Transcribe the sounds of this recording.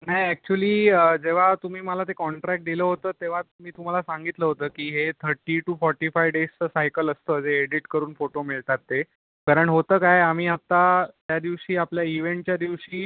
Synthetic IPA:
najɛk̚t͡ɕuəliːəd͡ʑeʋ̤at̪um̤iːməlat̪ekɔɳʈɾɛk̚ʈ̚d̪iləːɦot̪əːt̪eʋ̤amiːt̪um̤alasaŋɡit̪ləːɦot̪əːkiːɦet̪ʰəɾʈiːʈufɔɾʈifajʋɖest͡səsajkələst̪əd͡zeːɽiʈkəɾuːnfoʈomiɭt̪at̪ːe | kaɾəɳɦot̪əːkajam̤iːat̪ːat̪jad̪iʋɕiːapljaiʋeɳʈ̚t͡ɕjad̪iʋɕiː

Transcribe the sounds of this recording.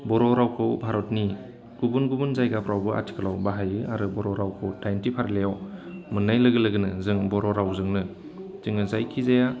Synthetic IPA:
bɔɾɔɾawkʰɯwbʱaɾɔt̚ni | ɡ̥ubunɡubunzajɡapʰɾawbɯʔa̰tʰi̥kʰɯlawbaɦajɯʔaɾɯbɔɾɔɾawkʰɯwtajntipʰaɾlejɔmɯnːajlɯɡɯlɯɡɯnɯzɯŋbɔɾɔɾawzɯŋnɯ | zɯŋɯzajkʰizaja

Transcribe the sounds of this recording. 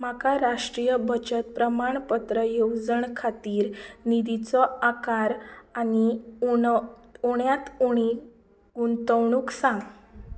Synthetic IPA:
makaɾaʂʈɾijəbʱət͡ɕət̪̚pɾəmaɳpət̪ɾəjod͡zəɳkʰat̪iːɾnid̪it͡sɔakaɾani | uɳjat̪uɽ̃i | ɡunt̪əwɳ̃uːksãŋɡ

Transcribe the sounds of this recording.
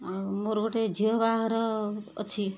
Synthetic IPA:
moɾɡoʈed͡ʒʱiʌbaɦɾʌ̰ːt͡sʰi

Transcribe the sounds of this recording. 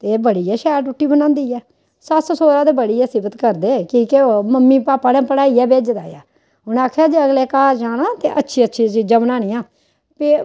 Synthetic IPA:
t̪eːbəɽiːɛːʃɛːɾʈʊʈːiːbənãːnd̪iːɛː | səssoːɾãːd̪eːbəɽiːɛːsɪbət̪kəɾd̪eːkiːkeoːməmːiːpaːpaːnẽːpəɽaːiːɛːbeːd͡ʒd̪a̰ːja̰ː | ʊñaːkʰjaːd͡ʒiəɡleːkaːɾd͡ʒaːnãːt̪ḛːʔətːʃʰiːətːʃʰiːsiːd͡ʒəmnaːniːãː | peː

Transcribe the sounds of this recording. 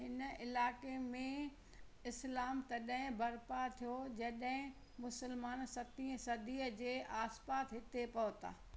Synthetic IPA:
ɦɪn̆ɪlaːkemẽ | ɪslaːmt̪ɐɗɦɪ̃bɐɾpat̪ʰijod͡ʑɐɗɦɪ̃ | mʊsəlmaːnsɐt̪ĩːə̃sɐd̪iːəd͡ʑeːʔaːspaːt̪ɦɪt̪epɐʋt̪a̰ː

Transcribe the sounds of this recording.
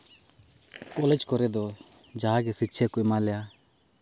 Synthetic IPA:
kɔːled͡ʒkɔɾɛd̪ɔ | d͡ʒaɦaɡesɪtːʃʰekʊimaːljaː

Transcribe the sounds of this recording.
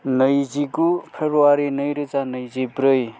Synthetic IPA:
nʌjd͡zikupʰebɾuwaɾinʌjɾut͡sanʌjd͡zibɾʌj

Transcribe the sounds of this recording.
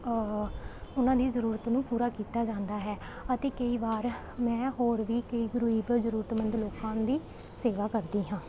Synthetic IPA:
ʊnãːd̪iːzəɾuːɾət̪nũːpuːɾaːkiːt̪aːd͡ʒãːnd̪aːɦɛː | ət̪eːkəiːʋaːɾ | mɛ̃ːɦoːɾʋiːkəiːɡɾuiːʋzəɾuːɾət̪mənd̪loːkãːd̪iː | seːʋaːkəɾd̪iːɦãː

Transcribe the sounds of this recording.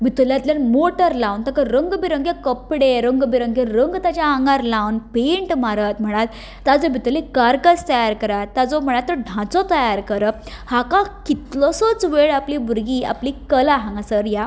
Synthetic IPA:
bʱit̪oljat̪ljanmoʈəɾlãwnt̪akəɾəŋɡbiɾəŋɡekəpɽeɾəŋɡbiɾəŋɡẽɾəŋɡt̪ad͡ʑaãŋɡaɾlawnpeɳʈmaɾət̪m̤əɽ̃at̪ | tːad͡zɔbʱit̪ulekaɾkəst̪əjaɾkəɾat̪ːad͡zɔm̤əɽ̃at̪t̪ːəɖʱãt͡sɔt̪əjaɾkəɾə | hakãkit̪lɔsɔt͡sʋeɭaplibuɾɡiːa̰plikəlaɦãŋɡasəɾja

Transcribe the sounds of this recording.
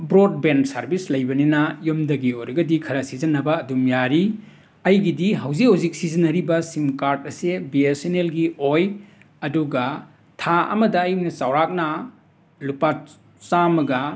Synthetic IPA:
bɾod̚bensɐɾbislɐjbɐninɐjomdɐɡiojɾɐɡɐdikʰɐɾɐsizɐnːɐbɐːdumjaɾi | ɐjɡidiɦɐwzikhowzik̚sizɐnːɐɾibɐsimkaɾdɐsebiesenelɡioj | ɐduɡɐ | tʰaɐ̰mɐdɐːjmnɐt͡ʃawɾak̚nɐ | lupa | t͡ʃamɐɡɐ

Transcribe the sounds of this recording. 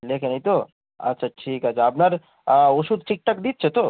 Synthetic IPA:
leːkinɐĩt̪o | ɐ̰tːʃʰaʈʰiːkɐt͡ʃʰaːpnɐɾ | oʃud̪̚t͡ʃik̚ʈ̪ɐk̚d̪iːt̪̚t͡ʃʰet̪o

